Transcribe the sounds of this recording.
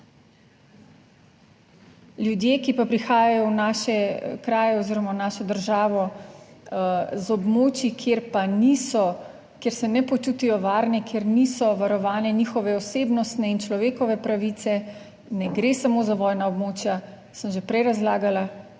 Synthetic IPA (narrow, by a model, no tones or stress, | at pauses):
ljud̪jeːkipapɾixaːjajɔwnaːʃɛkɾaːjɛɔziɾɔmanaːʃɔd̪əɾʒaːʋɔ | zɔbmoːt͡ʃjikʰjeɾpanisɔ | kjeɾsɛnɛpɔt͡ʃuːt̪ijɔʋaːɾnɛkʰjeɾnisɔʋaɾɔʋaːnɛnixɔʋɛɔseːbnɔst̪nɛint͡ʃlɔʋeːkɔʋɛpɾaʋiːt̪sɛ | nɛɡɾesamozaʋɔːjnaɔbmoːt͡ʃja | səmʒepɾɛjɾazlaːɡala